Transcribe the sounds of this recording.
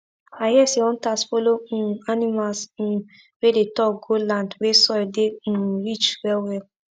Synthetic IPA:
ajɛsiɔ̃n̩tasfolõanĩmals̩ | wedetɔɡolãndwesɔɛdẽɾit͡ʃwɛwɛ

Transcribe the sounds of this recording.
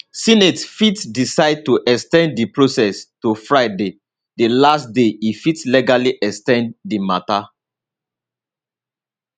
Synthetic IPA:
sinetfitsdisaɪd̚tuʔɛkstɛ̃nddipɹosɛstufɹaɪde | delastdeifitslɛɡaliʔɛkstɛ̃ndimata

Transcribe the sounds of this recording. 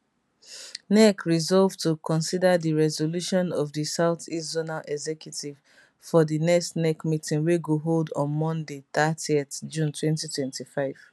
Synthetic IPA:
nɛkʰɹizɔlvtukʰɔ̃nsidadiɹɛzoluʃɔ̃nɔvðisaʊθiszonalʔɛɡzɛkʰjutʰiv̥ | fɔðinɛkstnɛkmitĩŋweɡoɦoldɔ̃nmɔ̃ndeθatietd͡ʒũntʰwɛ̃ntitʰwɛ̃ntifaɪv̥

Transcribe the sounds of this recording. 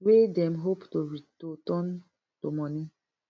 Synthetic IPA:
wedɛmɦoptoɾitotɔn | tomɔni

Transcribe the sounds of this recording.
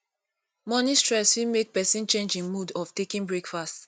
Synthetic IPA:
mɔnistɹɛswimek̚pɛsĩnt͡ʃẽnd͡ʒĩnmudɔftekĩnbɹekfast

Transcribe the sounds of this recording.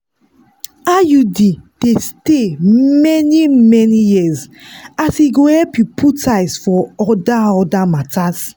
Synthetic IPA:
ajudid̥estemɛnimɛnijizasiɡohɛlpjupʰutaɪsfɔɔdaɔdamataz

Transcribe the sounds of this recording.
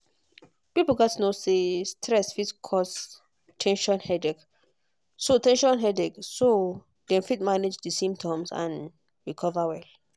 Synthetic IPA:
pipl̩ɡɔtnosestʰɹɛsfitkʰɔs | tʰɛ̃nʃɔ̃nhɛdɛk | sotɛ̃nʃɔ̃nɦɛdɛkso | dɛ̃mfit̚maned͡ʒdisĩmptʰɔ̃msã̰n | ɹikʰɔvawɛl

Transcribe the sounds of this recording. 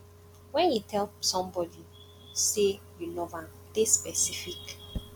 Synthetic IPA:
wɛ̃njutʰɛlsɔ̃mbɔdi | sejulɔvãntespɛsifik

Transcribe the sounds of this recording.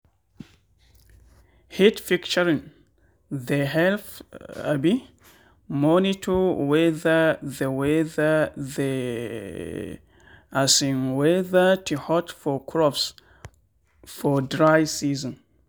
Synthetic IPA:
hitfikt͡ʃəɹĩn | ðeɦɛlfa̰bi | mɔnitʰuwɛðəðəwɛðəðə | ʔasĩnwɛðətʰuhɔtfɔkʰɹɔps | fɔdɹajsizɔ̃n

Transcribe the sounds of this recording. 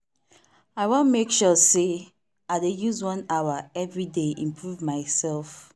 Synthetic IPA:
aɪwõnmekʃɔse | aɪdejuzwʌ̃naəɛvɹideʔḭ̃mpʰɹuvmaɪsɛlf

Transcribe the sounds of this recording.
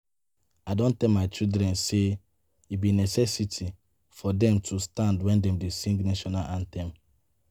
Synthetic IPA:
adɔ̃ntɛlmaɪt͡ʃildɾɛ̃nse | ibinɛsɛsitʰi | fɔdɛ̃mtʰustãndwɛ̃ndɛ̃mdesĩŋɡnaʃɔnaʔãntɛ̃m

